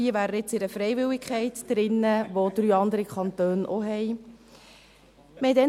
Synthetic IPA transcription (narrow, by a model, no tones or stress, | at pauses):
iːəʋæːɾəɪt͡sɪɾəfɾɛɪʋɪlɪkʰχɛɪtd̥ɾɪnːəʋod̪̥ɾyːɑnd̪əɾikʰχɑnt̪øːnʔɔɦɛj | mɛd̪ɛ